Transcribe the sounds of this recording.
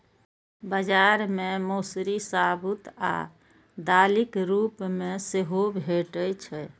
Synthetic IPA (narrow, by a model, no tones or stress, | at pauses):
bəd͡ʒaɾmemosɾisabut̪a̰ | d̪alikɾupmeseɦobʱeʈət͡ʃʰɛ